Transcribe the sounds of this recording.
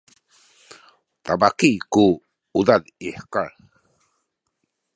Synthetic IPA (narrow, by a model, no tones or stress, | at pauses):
t̪abakiku | udadiħəkaɾ